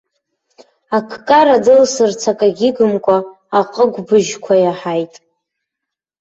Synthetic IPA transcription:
akʰkʼaɾadɨlsɨrt͡sʰakʼaɡʲɪɡɨmkʷʼaː | qʼəɡʷbɨʒkʷʰajaħajtʼ

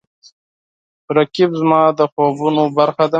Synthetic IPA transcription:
ɾakibzmɑːd̪əxoːbunobaɾxad̪a

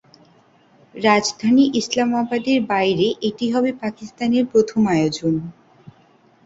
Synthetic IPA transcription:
ɾad͡ʑd̪ʱaniʔislamabad̪eɾbajɾeʔeʈiɦɔbepakist̪aneɾpɾot̪ʰomajod͡ʑon

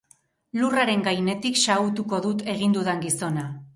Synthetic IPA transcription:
luraɾe̞ŋɡajne̞t̪ikʃaut̪uko̞ðut̪e̞ɣind̪uðeŋɡiso̞na

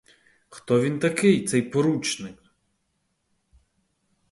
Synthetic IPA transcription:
xt̪ɔʋʲint̪ɐkɪjt̪sɛjpɔɾut͡ʃnɪk

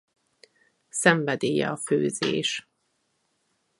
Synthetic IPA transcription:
sɛɱvɛd̪eːjɛ̰ɒføːzḛːʃ

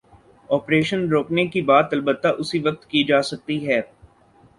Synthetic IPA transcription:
ɔːpɾeːʃənɾoːknekibaːt̪ɐlbət̪ːaʔʊsiʋɐk̚t̪kid͡ʒaːsɐk̚t̪iɦɛː

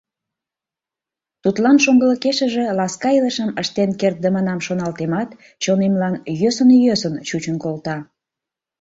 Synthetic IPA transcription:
t̪ut̪lɑnʃoŋɡələkeʃəʒe̽lɑskɑiləʃəməʃt̪enkert̪̚d̪əmənɑmʃonɑlt̪emɑt̪ | t͡ɕonemlɑnjøsənjøsənt͡ɕut͡ɕənkolt̪ɑ

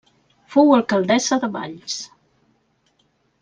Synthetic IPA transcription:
fowəlˠkəlˠd̪ɛzəðəβa̰ʎs

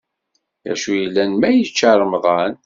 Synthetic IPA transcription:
jæ̰ʃujəlːænmæjət͡ʃːəɾˤmðˤɑn

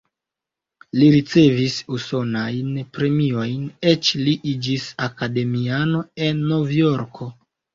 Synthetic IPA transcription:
liɾit͡se̞visuso̞najnpɾe̞mio̞jnet͡ʃliʔid͡ʒisakade̞miano̞e̞nːo̞vjo̞ɾkʰo̞

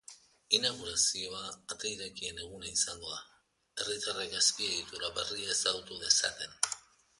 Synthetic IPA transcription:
inaɣ̞uɾasio̞aːt̪ejɾekie̞ne̞ɣ̞unaisaŋɡo̞a | e̞rit̪areɡaspie̞ɣit̪uɾaβe̞riaesaɣut̪uðe̞sat̪e̞n

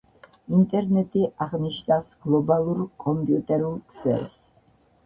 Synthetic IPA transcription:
int̪ʼɛɾnɛt̪ʼiʔaʁniʃnawsɡ̥lˠɔbalˠuɾkʼɔmpʼjut̪ʼɛɾulˠkʰzɛ̰lˠs

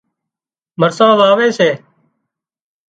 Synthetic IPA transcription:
məɾsãːlaːʋeːseː

